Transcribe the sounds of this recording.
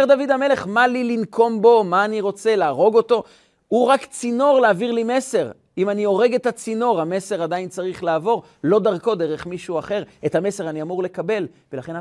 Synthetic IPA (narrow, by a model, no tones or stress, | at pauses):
ʁd̪avid̪ame̞le̞χmalilinkʰo̞mbo̞maːniʁo̞t͡se̞laːʁo̞ɡo̞to̞ | uʁakt͡sino̞ʁlaːviʁlime̞se̞ʁ | imanio̞ʁe̞ɡetat͡sino̞ʁame̞se̞ʁadaint͡saʁiχlaːvo̞ʁ | lo̞d̪aʁko̞d̪eʁeχmiʃuaχe̞ʁethame̞se̞ʁaniamuʁle̞kabe̞l | velaχena